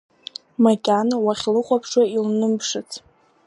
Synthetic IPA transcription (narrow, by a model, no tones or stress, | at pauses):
makʲʼanwaχʲlɨqʷʼapʰʂwailnɨmpʰʂɨt͡sʰ